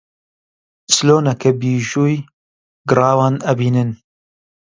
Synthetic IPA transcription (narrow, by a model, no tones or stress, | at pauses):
sloːnɛkɛbiːʒuːj | ɡɨrɑːwɑːnɛbiːnɨn